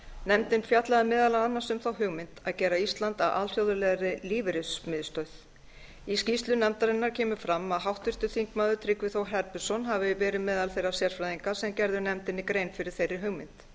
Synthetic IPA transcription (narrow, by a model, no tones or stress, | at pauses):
nɛmt̪ɪnfjat̪laðɪmɛːðalaanːasʏmθawɦʏɣmɪnt̪aðcɛːɾaist̪lant̪a̰vʔa̰ðr̥jowðʏlɛɣaɾɪliːvɪɾɪsmɪðst̪œɥð̥ | iscist̪lʏnɛmt̪aɾɪnːaɾ̥cʰɛːmʏfɾamːaðɦawht̪ʏr̥t̪ʏθiŋkmaːðʏt̪ʰɾɪkvɪθowɦɛɾpʏsɔnɦavɪvɛːɾɪðmɛːðalθejrasjɛɾ̥fɾajðiŋkasɛmcɛɾðʏnɛmt̪ɪnːɪkɾeːjnfɪɾɪɾ̥θejrːɪɾ̥ɦʏɣmɪnt̪